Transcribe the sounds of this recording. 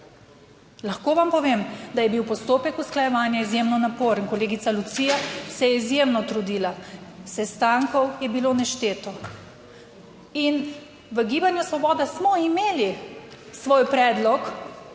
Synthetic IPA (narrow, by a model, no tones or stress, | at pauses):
laxkoːʋampɔʋemd̪ajɛbiwpɔst̪oːpɛkusklajɛʋaːnjaizjemnɔnapoːɾənkɔleːɡit̪salut̪siːjasɛjɛizjeːmnɔt̪ɾud̪iːlasɛst̪aːŋkɔwjɛbiloːnɛʃt̪eːt̪ɔ | in | ʋəɡiːbanjusʋɔbɔːd̪asmɔimeːli | sʋoːjpɾɛːd̪lɔk